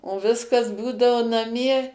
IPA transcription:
oː ˈʋʲɪskɐs ˈbuːdɐoː nɐˈmʲiɛ

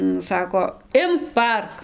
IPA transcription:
nʊ ˈsɑːkoː ˈɪmk pɐˈɐrk

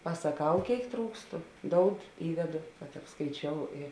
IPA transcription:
pɐsɐˈkɐʊ ˈkʲeːɪk ˈtruːkstʊ ˈdoːʊt ˈiːdʲɛdoː kɐt ɐpskɐɪˈt͡ʃʲoːʊ ɪ

